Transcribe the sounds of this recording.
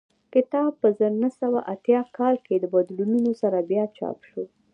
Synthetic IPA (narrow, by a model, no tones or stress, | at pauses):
kɪt̪ɑb̚pəzəɾnəsawaʔat̪jɑkɑlked̪əbad̪lununosaɾabjɑt͡ʃɑ̰pʃo